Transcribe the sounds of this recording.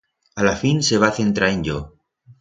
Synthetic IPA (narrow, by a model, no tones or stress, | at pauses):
alafinse̞β̞aθe̞nt̪ɾaenʎo